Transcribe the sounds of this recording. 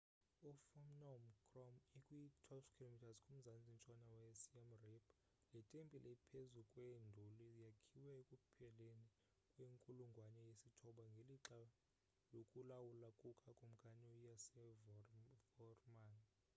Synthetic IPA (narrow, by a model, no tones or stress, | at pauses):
ufɔmnɔmkʰʼrɔmikʼuitʰwɔlfkʰilomitʰazkʼum̩zant͡sʼint͡ʃʼanawɛsiamripʰ | litʼempʼilʔɛipʰezukʼwendʱulijakʰiwɛkʼupʰɛleni | kʼweŋkʼuluŋɡʱwanɛjesitʰɔɓaŋɡʱeliǁa | lokʼulawulakʼukʼakʼum̩ɡ̥ʱanijas | vɔrman